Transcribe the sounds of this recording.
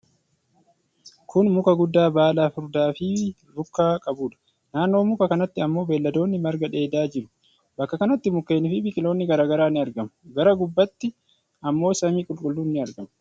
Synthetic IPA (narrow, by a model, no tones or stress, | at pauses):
kʰʊnmʊkɐɡʊd̪ːaːbaːlaːfʊɾd̪aːfɪː | lʊkːaːkʼɐbuːᶑɐ̥ | naːnːo̞ːmʊkɐkɐnɐt̪ːɪɐmːo̞ːbeːlːɐd̪o̞ːnːɪmɐɾɡɐᶑe̞ːd̪aːd͡ʒɪɾʊ̥ | bɐkːɐkɐnɐt̪ːɪmʊkːe̞ːnɪfɪbɪkʼɪlo̞ːnːɪɡɐɾaːɡɐɾaːnːɪɐɾɡɐmɐɡɐɾɐɡʊbːɐt̪ːɪ | ɐmːo̞ːsɐmiːkʼʊlkʼʊlːunːɪɐɾɡɐmɐ